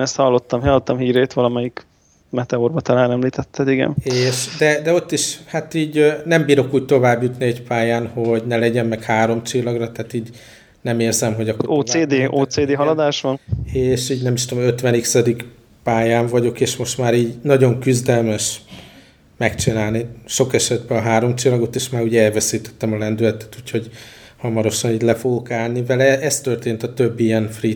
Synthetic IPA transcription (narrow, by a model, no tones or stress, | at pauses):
ɛst̪hɒlːo̞t̪ːɒmɦɒlːot̪ːɒmɦiːɾeːt̪ʋɒlɒmɛjik | mɛt̪ɛurbɒt̪ɒlaːnɛmliːt̪ɛt̪ːɛd̪iɡɛ̰neːʃd̪ɛd̪ɛo̞t̪ːiʃhat̪iːɟnɛmbiːɾo̞kuːɟ̚t̪o̞vaːbjut̪niɛcpaːjaːnho̞ɟnɛlɛɟɛmːɛkhaːɾo̞mt͡ʃilːɒɡrɒt̪ɛaːt̪iːɟ | nɛmeːrzɛmɦo̞ɟɒkːooːeːd̪eːʔoːt̪seːd̪eːɦɒlɒd̪aːʃʋɒneːʃiːɟnɛmːiʃt̪omøt̪ʋɛniksɒd̪ik | paːjaːɱvɒɟo̞keːʃmo̞ʃt̪maːɾiːɟnɒɟo̞ŋkyzd̪ɛlmɛʃ | mɛkt͡ʃinaːlniʃo̞kɛʃɛd̪bɛɒɦaːɾo̞mt͡ʃilːɒɡo̞t̪eːʃmaːɾuːɟɛɛlvɛsiːt̪ɛ̥t̪ːɛmɒlɛnd̪ylɛt̪ɛ̥t̪uːcho̞ɟ | hɒmɒɾo̞ʃɒniːɟlɛfoɡokaːlnivɛlɛɛst̪ø̞rt̪eːnt̪ɒt̪øbːijɛnfri